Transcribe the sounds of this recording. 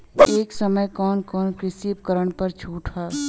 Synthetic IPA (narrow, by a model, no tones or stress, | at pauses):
eːksəməjkɔːnkɔːnkɾɪsiːpkəɾəɽ̃pɐɾt͡ʃʰuːʈʰɦaː